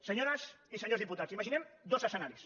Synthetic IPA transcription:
səɲoɾəsisəɲozðiput̪asimaʒinɛmd̪ozəsənaɾis

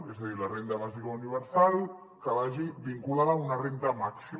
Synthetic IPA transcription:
ezðaðiɾlarent̪aβazikauniβ̞əɾsalˠ | kalaʒibiŋkulaðaunarent̪amaksi

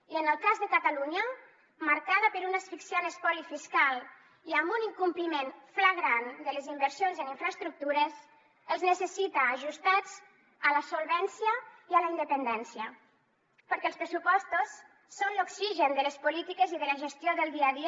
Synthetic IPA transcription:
iənəlˠkazðəkat̪aluɲə | maɾkaðəpəɾunəsfiksjonəspɔlifiskalˠ | iambuniŋkumplimenfləɣɾand̪ələzimbəɾsijonzəniɱfɾəst̪ɾuk̚t̪uɾəs | əlˠznəsəsit̪aːʒust̪ad͡z | ələsolˠβɛnsjəiəlaind̪əpənd̪ɛnsjə | pəɾkɛlspɾəsupɔst̪osː | onloksiʒənd̪ələspulit̪ikeziðələʒəst̪joðəlˠd̪iaði

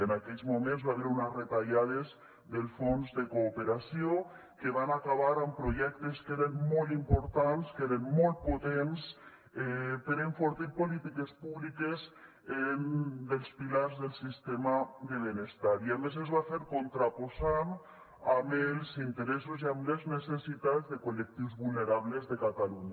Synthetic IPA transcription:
enakɛʎzmumẽnzβaβeɾunezret̪aʎaðez | ðelˠfonzðekoːpeɾasio | keβanakaβ̞aɾampɾoʒɛk̚t̪eskeɾenmɔlˠt̪impoɾt̪anskeɾenmɔlˠt̪̚pot̪ens | ɛpeɾeɱfoɾt̪iɾpolit̪ikespuβlikes | end̪elspilaɾzðelˠsist̪emad̪eβ̞enest̪aɾiames̬ezβafeɾkont̪ɾaposan | amelsint̪eɾesuziamleznesesit̪azðekolek̚t̪iwzβulneɾaβlezðekat̪aluɲa

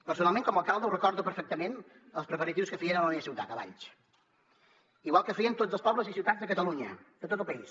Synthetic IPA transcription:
pəɾsunalˠmẽŋkɔməlˠkalˠd̪əwrəkɔɾðupəɾfɛk̚t̪əmen | əlˠspɾəpəɾət̪iwskəfiənələmeəsiwt̪a̰t̪əβa̰ʎt͡ʃ | iɣwalˠkəfiənt̪ozəlspɔβləzisiwt̪azðəkət̪əluɲəd̪ət̪ot̪əlˠpəis

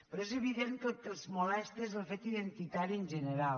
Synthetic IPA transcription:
pɾɔezəβiðent̪ot̪əlˠzmulɛst̪ezðəlˠfet̪iðent̪it̪aɾiənʲʒənəɾal

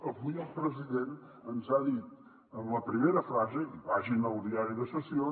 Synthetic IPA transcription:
əβujəlˠpɾəziðen | ənzaðit̪ | ənləpɾimeɾəfɾazeβaʒinəlˠd̪iaɾiðəsəsio

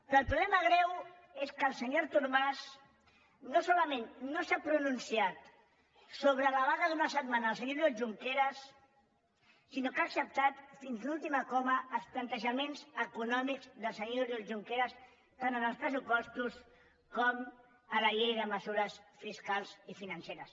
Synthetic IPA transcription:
pɔːlˠpɾuβlɛməɣ̞ɾɛw | eskəlˠsəɲoɾt̪uɾmas | nosɔləmẽnːosapɾununsiat̪ | soβɾələβaðəðunəsət̪manəəlˠsəɲoɾoʒuŋkeɾəs | inokaːksəp̚t̪at̪finzlulˠt̪imakɔməːlˠsplant̪əʒəmenzəkunɔmiɡzðəlˠsəɲoɾoʒuŋkeɾəs | t̪anənəlspɾəs̬upɔst̪us | kɔm | əlaʎejðəməzuɾəsfiskalˠzifinənseɾəs

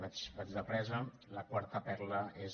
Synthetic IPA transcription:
at͡ʃbad͡ʒðəpɾɛzə | ləkwaɾt̪əpɛɾləez

